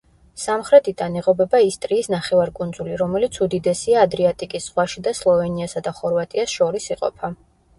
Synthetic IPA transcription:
samχɾɛt̪ʰid̪aniʁɔbɛbaist̪ʼɾiːsnaχɛvaɾkʼund̪zuliɾɔmɛlit̪sʰud̪id̪ɛsiaːd̪ɾiat̪ʼikʼisz̥ʁwaʃid̪aslˠɔvɛniasad̪aχɔɾvat̪ʼiasʃɔɾisiqʼɔ̰pʰa

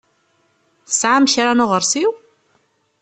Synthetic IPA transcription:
θə̥sʕamçɾanʊʁəɾˤsiw

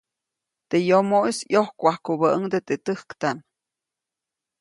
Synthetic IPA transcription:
t̪ejomoʔisjohkʷahkubəʔəŋd̪et̪et̪ɨhkt̪am

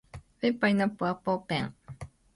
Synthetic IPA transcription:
fepajnãpuapopeã̰

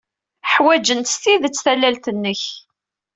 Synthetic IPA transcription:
ħwæd͡ʒənt̪stiðət͡sːθælːælt̪ənːəç

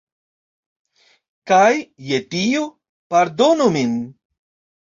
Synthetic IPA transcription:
kajːet̪io | paɾd̪onomin

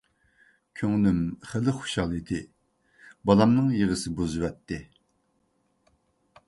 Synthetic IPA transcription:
kʲʰøŋnymχəlɨχo̥ʃɑlˠit̪ʰɪ | bɑlˠɑmnɨŋjeʁəsɨbuzɨwɛt̪ːɪ

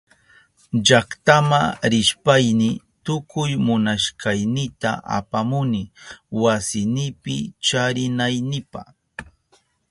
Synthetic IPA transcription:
ʎakt̪amaɾɪʃpajnɪ | t̪ʊkʊjmʊnaʃkajnɪt̪aʔa̰pamʊnɪwasɪnɪpɪ̰t͡ʃaɾɪnajnɪpa̰χ

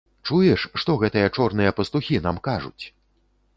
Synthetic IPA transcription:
t͡ʂujɛʂʂt̪ɔɣɛt̪ɨjɐt͡ʂɔrnɨjɐpɐst̪uxʲin̪amkaʐṵt͡sʲ

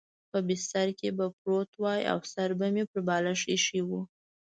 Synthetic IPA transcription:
pəbɪst̪aɾkebapɾot̪wɑja̰wsaɾbamepəɾbɑlaʂiʃiwu

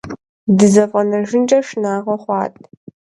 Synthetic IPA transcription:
dɨzɐfʼɐnɐrʒɪnt͡ʃʼɐʂnaːʁɐχʷɑːtʼ

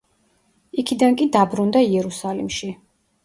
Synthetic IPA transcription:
ikʰid̪ankʼid̪abɾund̪aiɛɾusalḭmʃi

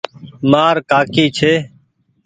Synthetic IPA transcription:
maːɾkaːkiːt͡ʃʰeː

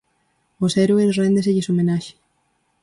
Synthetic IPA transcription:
oseɾuesrend̪eseʎesomenaʃe̥

